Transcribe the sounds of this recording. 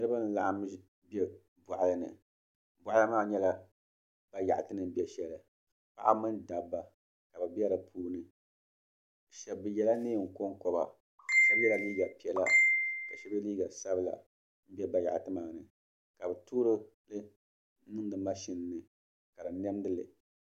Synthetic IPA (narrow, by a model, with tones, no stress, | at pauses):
nɨ˦ɾɨ˦ba˦n̩˦la˨ʔm˦ | bi˦ɛ˦ | bɔ˨ʔa˨lɨ˦nɨ̰˨ | bʊ˨ʔa˦lɨ˦maː˦ɲɛ˦la˨ | b̥a˦ja˨ʔa˨tɨ˦nɨ˨m̩˦bi˦ɛ˦ʃɛ˦lɨ˨ | pa̰˦ʔa̰˦mɨ˦nda˨bːa˨ | ka˨bɨ˨bɛ˦ɾɨ˨pʰuː˦nɨ˨ | ʃɛ˨bːɨ˨jɛ˦la˦neː˦˨ŋ̩˨ko˦ŋ˦kɔ˨ba̰˨ | sa˦bjɛ˦la˨liː˦ɡa˨pi˨ɛ˨la˦ka˨ʃi˦bɨ˦liː˦ɡa˨sa˦bɨ˦la̰˨ | m̩˦bi˦ɛ˦ba˨ja̰˨ʔtɨ˦ma˨ŋ˨nɨ˨ | ka˨bɨ˨tuː˦ɾɨ˦ | lɨ˦ | nɨ˦ŋ˦dɨ˨ma˦ʃi˨n˨nɨ˨ | ka˨dɨ˨nɛ˦m˦dɨ˦lɨ˨